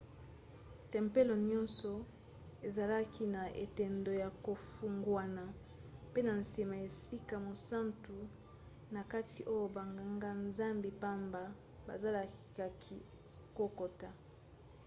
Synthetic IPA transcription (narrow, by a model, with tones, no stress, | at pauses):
tɛ˨mpe˦lo˨ɲɔ˦nsɔ˨ | e˨za˨la˦kʰi˦na˨e˨tɛ˨ndo˨ja˨ko˨fu˨ŋɡwa˨na˨ | pe˦na˨nsi˨ma˨e˨si˦ka˨mo˨sa˦ntu˨ | na˨ka˦tʰi˨ʔo˦jo˦˨ba˨ŋɡa˨ŋɡa˦nza˦mbi˨pa˦mba˨ | ba̰˨za˦la˨ki̥˨ka˨kʰi˦ | ko˦ko˨ta˨